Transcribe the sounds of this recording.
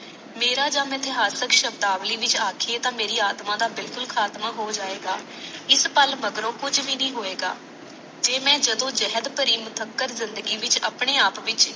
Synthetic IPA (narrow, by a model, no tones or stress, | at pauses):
meːɾaːd͡ʒaːmɪt̪ɪɦaːsəkʃəbd̪aːʋliːʋɪt͡ʃaːkʰieːt̪ãːmeːɾiːaːt̪mãːd̪aːbɪlkʊlkʰaːt̪maːɦoːd͡ʒaːeːɡaː | ɪspəlməɡɾõːkʊd͡ʒʋiːnĩːɦoːeːɡa̰ː | d͡ʒeːmɛ̃ːd͡ʒəd̪õːd͡ʒɛɦəd̪pəɾiːmət̪ʰəkːəɾzɪnd̪əɡiːʋɪt͡ʃə̰pɳeːaːpʋɪt͡ʃ